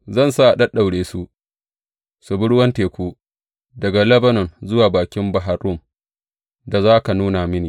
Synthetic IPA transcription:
zɐ˦˨nsaː˦ʔa˨ɗɐ˦ɗa˨wɽeː˨su˦ʔ | su˨bʊ˦ɽwɐ˦nteː˨kʷuː˦ | dɐ˨ɡa˨lɐ˦bɐ˦nɔ˨nzʊ˦waː˨baː˨kʲɪ˦mbɐ˨ɦa˨ɾʊ˦˨m | da˨zaː˦ka˨nuː˦na˨mɪ˦niː˨

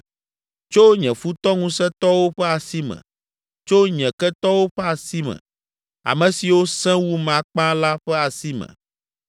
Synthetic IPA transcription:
t͡ʃo˦ɲɛ̃˨fu˦t̪ɔ˦ŋũ˦sɛ˦t̪ɔ˦wo˦ɸɛ˦a˨si˦mɛ̰̃˨ | t͡ʃo˦ɲɛ̃˨kɛ˦t̪ɔ˦wo˦ɸɛ˦a˨si˦mɛ̰̃˨ | a̰˨mɛ̃˨si˨wo˦sɛ̃˦wu˦mã˨k͡pã˦la˦ɸɛ˦a˨si˦mɛ̰̃˨

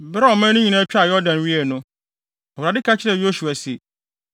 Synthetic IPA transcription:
bɾa˦ɔ˨mã˦nʊ̃˦ɲĩ˨nã˦pᶣi˦a˨jɔ˦dã˨nɥi˦ɛ˨nʊ̃˦ | ɔ˨wɾa˨dɪ˦ka˦t͡ɕʰɪ˦ɾɛ˦˨jo˦su˨a˨si˨

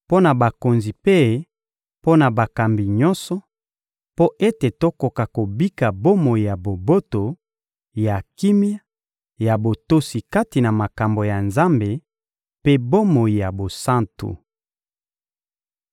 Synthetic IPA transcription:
po˦na˨ba˨ko˨nzi˨pe˦ | po˦na˨ba˨ka˨mbi˨ɲɔ˦nsɔ˦ | po˦ʔe˦te˨to˦ko˨ka˨ko˨bi˦ka˨bo˦mo˨i˨ja˨bo˨bo˦to˨ | ja˨ki˦mi˦a˦ | ja˨bo˨to˦si˨ka˦ti˨na˨ma˨ka˨mbo˨ja˨nza˦mbe˨ | pe˦bo˦mo˨ji˨ja˨bo˨sã˦ntṵ˨

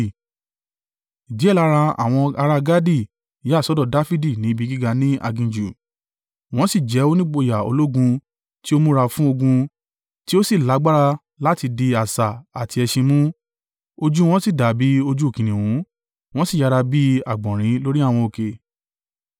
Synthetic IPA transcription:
i˨d͡ʒi˦ɛ˦˨la˨˦ɾa˧a̰˦˨w̃ɔ̃˧a˧ɾa˧ɡa˦di˦˨˦ | sɔ˨˦dɔ˦˨da˦fi˦di˦˨nĩ˨˦bi˧˦ɡi˦ɡa˧nĩ˦a̰˧ɡĩ˧d͡ʒu˨ | w̃ɔ̃˦si˦˨d͡ʒɛ˨˦o˦nĩ˦ɡ͡bo˧˨ja˨o̰˧lo˦ɡũ˧ | ti˦o˦mũ˦ɾa˧fũ˦o˧ɡũ˧ | ti˦o˦si˦˨la˨˦ɡ͡ba˦ɾa˧ | la˦ti˧di˧a˨sa˨a˨ti˧ɛ˧ʃĩ˧mũ˦ | o˧d͡ʒu˦w̃ɔ̃˦si˦˨da˨bi˨˦o˧d͡ʒu˦˨kĩ˨nĩ˨wũ˨˦ | w̃ɔ̃˦si˦˨ja˧ɾa˧bi˦a̰˨ɡ͡bɔ̃˨ɾ̃ĩ˨˦lo˦ɾi˦a˦˨w̃ɔ̃˧o˨ke˨

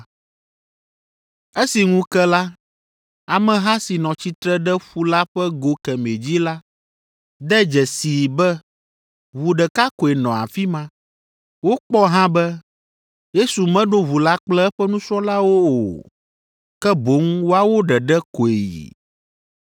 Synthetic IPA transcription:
ɛ˦si˨ŋũ˦kɛ˦la˦ | a˨mɛ̃˨ɦã˦si˨nɔ̃˨t͡ɕi˦t̪ɾɛ˦ɖɛ˦ɸu˦la˦ɸɛ˦ɡo˨kɛ˨me˨d͡ʑi˦la˦ | d̪ɛ˦d͡ʒɛ˨si˨bɛ˦ | βu˨ɖɛ˨ka˦ko˨e˨nɔ̃˨a̰˨fi˦mã˦ | wo˦k͡pɔ˦ɦã˦bɛ˦ | je˦su˨mɛ̃˦ɖo˦βu˨la˦k͡plɛ˦ɛ˦ɸɛ˦nũ˦sɔ̃˦la˦wo˦o˨ | kɛ˦bo˨˦ŋ˦wo˦a˦wo˦ɖɛ˨ɖɛ˦ko˨e˨jḭ˨

